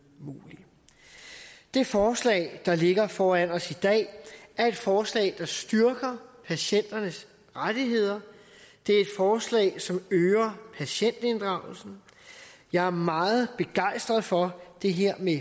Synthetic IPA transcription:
muːli | d̥e̝fɒːslɛ̰ːɪd̥ɑ̈le̝ɡ̥ɐfɒːænɒ̽sid̥ɛ̰ːæɐe̝d̥fɒːslɛ̰ːɪd̥ɑ̈sd̥yɐɡ̥ɐpʰæɕen̰d̥ɐnəs | ʁad̥iɦe̝ð̞̰ˠɐ | d̥eæɐe̝d̥fɒːslɛ̰ɪsɒ̽møːɐpʰæɕen̰d̥e̝nd̥ʁɑ̈ʊ̰l̩sn̩ | jɑ̈ɪæɐmɑ̈ːð̩ˠb̥e̝ɡ̥ɑ̈ɪ̰sd̥ʁɐð̩ˠfɒ̽d̥e̝ɦeɐ̰me

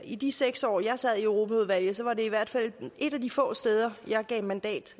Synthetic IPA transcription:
id̥iseɡ̥sɒ̰ːjɑ̈ɪsɛð̞̰ˠiøʊʁo̝ːpʰæuð̞ˠʋæl̰jð̩ˠsɒ̽ʋɑ̈de̝iʋæɐ̰d̥fæl̰e̝d̥æd̥ifɔ̰̽ːsd̥eːð̞ˠɐjɑ̈ɪɡ̥ɛ̰ːɪmænd̥ɛ̰ːd̥

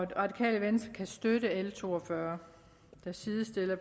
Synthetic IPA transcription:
ʁɑ̈d̥ikʰɛ̰ːləʋensd̥ɐkʰæsd̥øɾəelət͡sʰo̝̰ːɒfɶɐ | d̥æsiːðˠəsd̥e̝lɐ

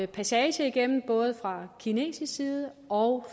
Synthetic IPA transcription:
pʰæsɛːɕəiɡ̥em̰n̩b̥ɔ̽ːð̞̩ˠəfʁɑ̈kʰine̝̰ːsiːiːðˠə | ɒ̽ʊ

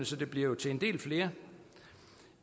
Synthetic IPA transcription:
nəsɒ̽d̥e̝b̥liɐ̰jo̝t͡sʰe̝end̥e̝̰ːlfle̝ːɐ

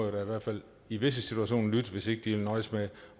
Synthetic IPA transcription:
ðˠd̥ɑiʋæɐ̰d̥fæl̰ | iʋe̝s̬əsit͡sʰuæɕo̝̰ːnlyd̥ʋe̝se̝ɡ̥əd̥ielnɒ̽ɪsme

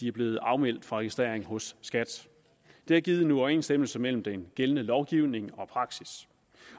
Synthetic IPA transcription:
d̥iæɐb̥le̝ːð̩ˠɑ̈ʊmel̰d̥fʁɑ̈ʁɛɡ̥isd̥ʁe̝ɐ̰eŋɦɔ̽sːɡ̥æd̥ | d̥e̝æɐɡ̥iːð̞̩ˠnuɒʊe̝̰ːnsd̥em̰l̩səmel̰m̩d̥enɡ̥elənəlɒʊɡ̥iʊne̝ŋɒ̽pʰʁɑ̈ɡ̥sis

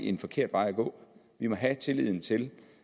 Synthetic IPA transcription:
enfɒ̽kʰe̝ɐ̰d̥ʋɑ̈ɪæɡ̥ɔ̰̽ː | ʋimɒ̽ɦæt͡sʰe̝lið̰ˠn̩t͡sʰe̝l

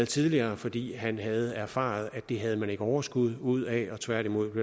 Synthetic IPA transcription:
ð̩ˠt͡sʰiðˠliɐːfɒ̽d̥ḭːɦænɦæð̞̩ˠæɐfɑ̰̈ð̞̩ˠæd̥e̝ɦæð̞ˠəmæne̝ɡ̥əɒʊɐsɡ̥uð̞̰ˠuð̞̰ˠɛɒ̽t͡sʰʋæɐɾ̥imo̝ð̞̰ˠb̥le

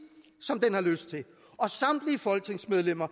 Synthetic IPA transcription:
sɒ̽md̥enhɑ̈løsd̥̚t͡sʰe̝ | ɒ̽sɑ̈m̰d̥liəfɒ̽lɡ̥̚t͡sʰe̝ŋsmeð̞ˠlem̰ɐ

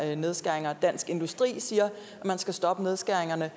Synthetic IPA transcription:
ne̝ð̞ˠsɡ̥æɐ̰e̝ŋɐd̥æn̰sɡ̥e̝nd̥usd̥ʁḭːsiːɐ | æmænsɡ̥æsd̥ɒ̽b̥əne̝ð̞ˠsɡ̥æɐ̰eŋɐnə

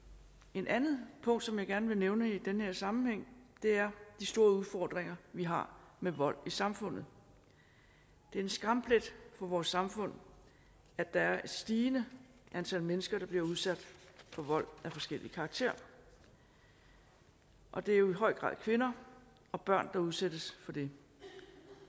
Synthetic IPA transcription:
e̝nʔænð̩ˠpʰɔ̽ŋ̰d̥sɒ̽mjɑ̈ɡ̥æɐnəʋe̝neʊnəid̥enəheɐ̰sɑ̈mm̩heŋ̰d̥e̝æɐd̥isd̥o̝ːɐuðˠfɒ̰ːd̥ʁeŋɐʋiɦɑ̈meʋɒ̽l̰isɑ̈mfɔ̽n̰ð̩ˠ | d̥e̝æɐensɡ̥ʁɑ̈mpʰled̥fɒ̽ʋɒːsːɑ̈mfɔ̽n̰ | æ̥ɑ̈æɐe̝d̥sd̥iːnə | ʔænt͡sʰæl̰menəsɡ̥ɐɾ̥ɑ̈b̥liɐuð̞ˠsæd̥fɒ̽ʋɒ̽l̰æfɒ̽sɡ̥el̰ikʰɑ̈ːɡ̥̚t͡sʰe̝̰ɐ | ʔɒ̽d̥e̝æɐjo̝iɦɒ̽ɪ̰ɡ̥ʁɑ̰̈ð̰ˠkʰʋe̝nɐ | ɒ̽b̥ɶɐ̰nd̥ɑ̈uð̞ˠsed̥əsfɒ̽d̥e̝

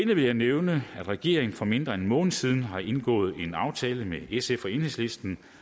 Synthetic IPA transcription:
enəʋe̝ljɑ̈ɪneʊnəæd̥ʁɛɡ̥e̝ɐ̰eŋn̩fɒ̽me̝nd̥ʁɐenmɔ̽ːnð̩ˠsið̞ˠn̩ɦɑ̈ʔe̝nɡ̥ɔ̰̽ːð̞̩ˠe̝nɑ̈ʊt͡sʰɛːləmeesefɒ̽e̝ːnhesle̝sd̥n̩

